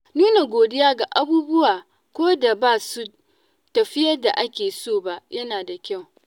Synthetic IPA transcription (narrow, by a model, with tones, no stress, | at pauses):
nuː˦na˨ɡʷoː˨dɪ˦jaː˦ɡa˨ʔa˦buː˦bʊ˦waː˨ | kʷoː˦da˨baː˦˨su˦ | tɐ˨ɸɪ˦jɐ˦rda˨ʔa˦kʲeː˨soː˦˨ba˦jʔɐ˦naː˨da˨kʲa˦˨w